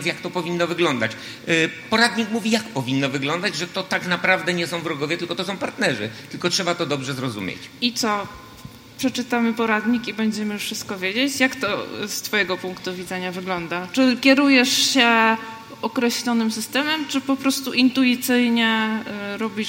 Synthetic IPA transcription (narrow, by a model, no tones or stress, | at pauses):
jakt̪ɔpɔvʲinːɔvɘɡlɔnd̪a̰t͡ɕ | pɔɾad̪ɲikmuvʲijakpɔvʲinːɔvɘɡlɔnd̪ad͡ʑʐɛt̪ɔt̪aknapɾavd̪ɛɲɛsɔ̃w̃vɾɔɡɔvjɛt̪ɘlkɔt̪ɔsɔ̃w̃paɾt̪nɛʐɘ̰t̪ɘlkɔtʂɛbat̪ɔd̪ɔbʐɛzɾɔzṵmʲjḛt͡ɕit̪sɔ | pʂɛt͡ʂɘt̪amɘpɔɾad̪ɲikibɛɲd͡ʑɛmɘfʂɘst̪̚kɔvʲjed͡ʑet͡ɕjakt̪ɔ̰st̪fɔjɛɡɔpuŋkt̪uvʲid̪zɛɲavɘɡlɔnd̪at͡ʂɘkʲɛɾujɛʂɕɛ | ɔkɾɛɕlʲɔnɘmsɘst̪ɛmɛmt͡ʂɘpɔpɾɔst̪uʔint̪uit̪sɘjɲɛɾɔbʲi